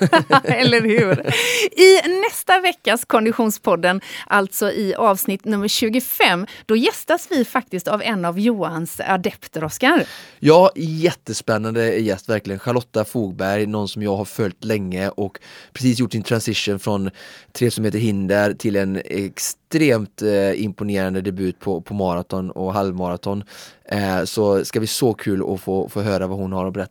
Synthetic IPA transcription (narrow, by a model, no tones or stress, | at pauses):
ɛlːəɾhʉ̟ːɾɪnɛst̪avɛkːaskʰɔnd̪ɪɧuːnspʰɔd̪ːənʔalt̪sɔʔɪʔɑːvsnɪt̪nɵmːəɾɕʉ̟ːɡʊfɛmːd̪̥ɔjɛst̪asvɪfak̚t̪ɪst̪avɛnːavjuːansa̰d̪ɛpt̪ɾɔskaɾjɑːjɛt̪ːəspɛnːand̪əæɾjɛst̪væɾklɪɡənɧaɾɭɔt̪ːafuːɡ̚bæɾjnɔnsɔmjɑːɡhaɾfœlt̪lɛŋːəʔɔkpʰɾɛs̬iːs̬jʊʈːsɪnt̪ʰɾansɪʂunfɾɔnt̪ʰɾeːsɔmheːt̪əɾɦɪnd̪əɾt̪ʰɪlɛnɛ̰kst̪ɾeːmt̪ɪ̰mpʊneːɾand̪əd̪ɛbʉ̟ːt̪̚pʰɔpʰɔmɑɾat̪ʰɔnɔ̰ɦalvmɑɾat̪ʰɔn | sɔskabɪsɔkʰʉːlɔ̰foːfoːɦøːɾavahʊnhaɾɔbɛɾɛt̪ː